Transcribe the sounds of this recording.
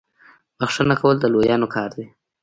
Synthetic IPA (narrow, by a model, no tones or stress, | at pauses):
bəxʂənakawəld̪əlojɑːnokʰɑːɾd̪e